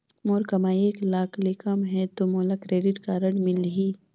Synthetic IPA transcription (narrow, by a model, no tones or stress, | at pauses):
moːɾkɐmaːieːklaːkʰlikəmɦɛt̪omoːlakɾeːɖɪʈkaɾɐɖmɪlɦiː